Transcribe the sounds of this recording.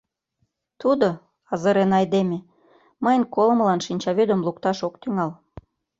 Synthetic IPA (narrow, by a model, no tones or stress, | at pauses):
t̪ud̪o | ɑzəɾenɑjd̪eme | mɤjənkolməlɑnʃinʲt͡ɕɑβyd̪ə̆mlukt̪ɑʃokt̪yŋɑl